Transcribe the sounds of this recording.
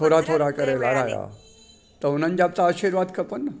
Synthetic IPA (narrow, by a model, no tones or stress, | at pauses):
oɾat̪ʰoɾakəɾelaɽaja̰ | t̪əwnənd͡ʑap̚t͡saːɕiɾʋad̪kəpənːa